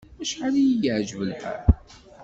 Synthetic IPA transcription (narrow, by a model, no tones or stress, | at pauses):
æʃħalijiɡʕʒvəlħæ̰ɾ